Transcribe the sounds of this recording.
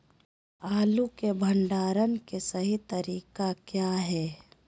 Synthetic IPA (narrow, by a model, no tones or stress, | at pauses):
aːlukebʱəɳɖaːɾənkesɐɦit̪ɐɾiːkakjaːɦɛː